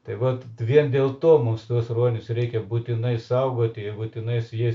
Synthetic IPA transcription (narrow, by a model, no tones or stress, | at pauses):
t̪ɐɪʋɐt̪ʋʲiɛnd̪ʲeːlˠt̪oːmʊmst̪uɔsroːnʲʊsrʲɛɪkʲɛbuːt̪ʲɪnɐɪsɐʊɡoːt̪ʲɪɛbuːt̪ʲɪnɐɪsji